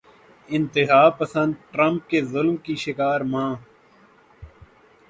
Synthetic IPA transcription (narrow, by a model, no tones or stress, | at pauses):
ɪ̃nt̪ɪɦaːpəsə̃nd̪̚ʈɾə̃mp̚kezʊlmkiʃɪkaːɾmãː